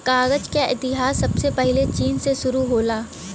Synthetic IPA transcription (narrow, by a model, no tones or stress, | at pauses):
kaːɣəd͡ʒkaʔɪ̰t̪ɪɦaːsːɐbsepɛɦlet͡ʃiːnseʃʊɾuɦoːlaː